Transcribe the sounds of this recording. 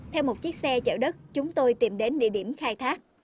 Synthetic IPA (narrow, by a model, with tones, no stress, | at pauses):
t̪ʰɛ˧wmo˨˩t̚t͡ɕi˦˥k̚sɛ˧t͡ɕə̰ː˧˩ɗə˦˥t̚t͡ɕʊ˨˦ŋ͡mt̪o˧jt̪i˨˩mɗe˨˦nɗḭ˧˨əɗi˧˩əmxaː˧jt̪ʰaː˦˥k̚